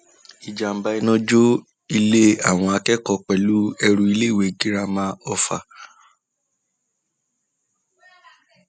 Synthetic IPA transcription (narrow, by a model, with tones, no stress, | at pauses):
i˨d͡ʒa˨m̩˨ba˧i˦nɔ̃˦d͡ʒo˦ | i˧le˦a˦˨w̃ɔ̃˧a˧kɛ˦kɔ˧k͡pɛ˨lu˦ɛ˧ɾũ˧i˧le˦˨we˨˦ɡi˦ɾa˧mãː˦ɔ˧fa̰˧˨